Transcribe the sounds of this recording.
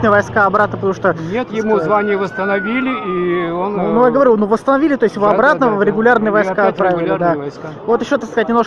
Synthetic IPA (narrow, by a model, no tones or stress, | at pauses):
nəjəvɐjskaɐbɾat̪nəpət̪ɐmu̥ʂt̪onʲet̪jɪmuzvanʲɪjəvəst̪ənɐvʲilʲɪionnujaɡəvɐɾʲunuvəst̪ənɐvʲilʲɪt̪o̞ɪsʲjɪvoɐbɾat̪nəvɾʲɪɡʊlʲarnɨjəvɐjskat̪̚pɾavʲɪɪlʲˠəd̪avo̞t̪ɪɕːo̞t̪aksk̪ɐzatʲnʲɪmnoʂk